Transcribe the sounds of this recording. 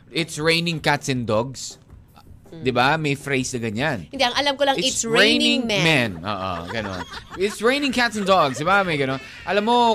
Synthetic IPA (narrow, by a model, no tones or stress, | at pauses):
ʔɪt̪sɹẽjnɪ̃ŋkat̪sɪnd̪ɔɡs | d̪ɪbamɐjfɹejsnɐɡɐɲanɪ̃nd̪iʔɐŋɐlamkolɐŋɪɹẽjnɪ̃ŋmmɛnʔo̰ːʔo̰ɡɐno̰nɪt̪sɹẽj̃nɪ̃ŋkat̪sɪnd̪ɔɡsd̪ɪbamɐjɡɐnon | ʔɐlamːo